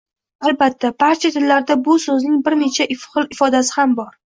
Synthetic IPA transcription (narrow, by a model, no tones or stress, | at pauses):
albat̪ʰːabaɾt͡ʃʰat̪ʰɪlːaɾd̪abʊsɵznɪŋbɪɾne̞t͡ʃʰaʔɪfχɨlˠɪfɒd̪asɪ̥hambɒɾ